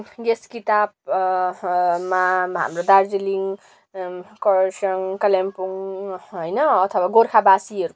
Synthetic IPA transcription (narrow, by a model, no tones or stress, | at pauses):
ɡeskit̪ab̚ | maɦa̰mrod̪ard͡ziliŋ | kʌɾsʌŋkʌlampuŋɦojnʌʌt̪ʰʌwaɡorkʰabasiʌɾu